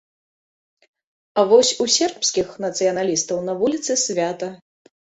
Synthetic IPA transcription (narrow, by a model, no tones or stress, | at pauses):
ɐvɔsʲusʲɛrpskʲixnɐt̪sɨjɐnalʲist̪ɐwnɐvulʲit̪sɨsʲvʲat̪ɐ